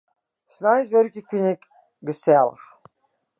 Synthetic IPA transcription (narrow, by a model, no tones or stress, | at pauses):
snajsʋørkjəfinɛk | ɡəsɛlə̰x